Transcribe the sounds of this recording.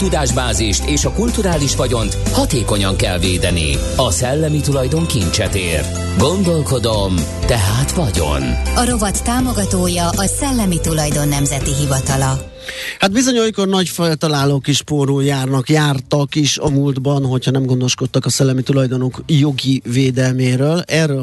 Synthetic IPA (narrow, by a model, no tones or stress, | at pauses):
t̪ud̪aːʒbaːziʃt̪eːʃɒkult̪uɾaːliʃʋɒɟo̞nt̪hɒt̪eːko̞ɲɒŋkɛlveːd̪ɛnḭ | ɒsɛlːɛmit̪ulɒjd̪o̞ŋkint͡ʃɛt̪eːr | ɡo̞nd̪o̞lko̞d̪om | t̪ɛɦaːt̪ʋɒɟo̞̰nɒɾo̞vɒt̪ːaːmo̞ɡɒt̪oːjɒʔɒsɛlːɛmit̪ulɒjd̪o̞nːɛmzɛt̪iɦivɒt̪ɒlɒ | had̪̚bizo̞ɲojkornɒɟfɛlt̪ɒlaːloːkiʃpoːruːjaːrnɒkjaːrt̪ɒkiʃɒmuld̪bɒnɦo̞chɒnɛmɡo̞nd̪o̞ʃko̞t̪ːɒkɒsɛlːɛmit̪ulɒjd̪o̞nokjo̞ɡiveːd̪ɛlmeːɾøːlɛːrø